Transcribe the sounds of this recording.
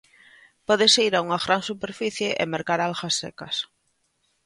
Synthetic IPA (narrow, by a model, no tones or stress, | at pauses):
pɔðeseiɾauŋaɣɾansupeɾfiθjeʔemeɾkaɾalxasːḛkas